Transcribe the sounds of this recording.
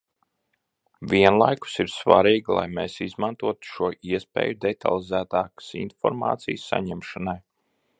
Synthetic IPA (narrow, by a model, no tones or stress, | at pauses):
ʋʲiɛnlˠajku̥siɾsva̰ɾiːɡlˠa̰jmeːsizmant̪uɔt̪u̥ʃuɔʔiɛspʲḛːjud̪et̪ʰa̰lˠizæːt̪aːkḁsḭnfɔɾma̰ːt̪sḭjsːa̰ɲɛmʃanaj